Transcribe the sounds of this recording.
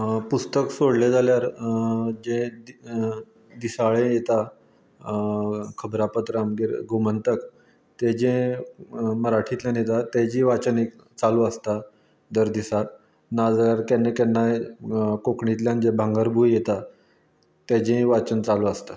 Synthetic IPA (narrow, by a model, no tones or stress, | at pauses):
pust̪əksoɽled͡zaljaɾ | d͡ʑẽd̪ | d̪isaɭẽjet̪a | kʰəbɾapət̪ɾamɡeɾɡomənt̪ək | t̪ɛd͡ʑẽ | məɾaʈʰit̪ljanjet̪at̪ɛd͡ʑĩʋat͡ɕənek | t͡saluəst̪a | d̪əɾd̪isat | nad͡zaɾkɛnːekɛnːajkokɳit̪ljãnd͡ʑebʱãŋɡəɾbʱujjet̪a | t̪ɛd͡ʑẽʋat͡ɕənt͡saluəst̪a